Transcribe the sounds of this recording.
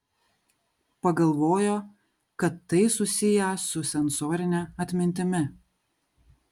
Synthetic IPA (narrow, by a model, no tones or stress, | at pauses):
pɐɡɐlˠʋoːjoː | kɐt̪ːɐɪsʊsʲɪjɛsʊsʲɛnsoːɾʲɪnʲɛɐt̪ʲmʲɪnʲt̪ʲɪmʲɪ